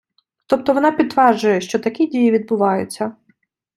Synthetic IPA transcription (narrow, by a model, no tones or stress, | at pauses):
t̪ɔp̚t̪ɔʋɔnɑpʲid̪ʋɛrd͡ʒʊjɛʃt͡ʃɔt̪ɐkʲidʲijiʋʲid̪̚bʊʋɑjʊt͡sʲːɐ